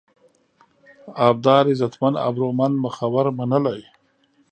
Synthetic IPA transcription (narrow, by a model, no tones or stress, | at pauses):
ab̚d̪ɑːɾizat̪mana̰bɾomand̪məxawaɾmanəlaj